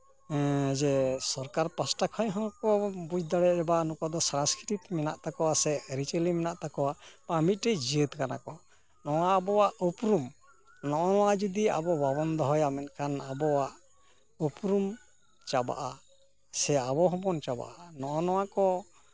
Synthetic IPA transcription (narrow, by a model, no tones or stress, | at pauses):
d͡ʒɛsɔɾkaɾpasʈakʰɔjɦɔŋkɔbud͡ʒd̪aɽɛɾɛbanukad̪ɔsɾãnskɾiɾit̪mɛnaʔt̪akɔwasɛəɾit͡ʃelimɛnaʔt̪akɔwapamit̪̚ˀʈɛd͡ʒiət̪kana̰kɔ | nɔwaːbɔwaʔupɾum | nɔʔɔnɔwad͡ʒud̪ia̰bɔbabɔnd̪ɔɦɔjamɛn̚kʰanabɔwaʔ | upɾum | t͡ʃaba̰ʔa | sɛabɔɦɔbɔnt͡ʃaba̰ʔanɔʔɔnɔwakɔ